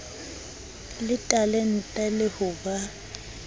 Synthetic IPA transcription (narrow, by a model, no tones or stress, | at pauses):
lɪtʼalen̩tʼɛlɪhʊba